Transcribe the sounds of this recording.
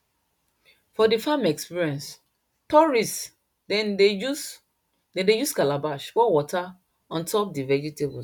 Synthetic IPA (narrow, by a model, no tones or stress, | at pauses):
fɔdifamɛkspiɹiɛ̃ns | tɔɹis | neu | dɛ̃ndejuskalabaʃfɔwɔta | ɔ̃ntɔpdivɛd͡ʒitebɔ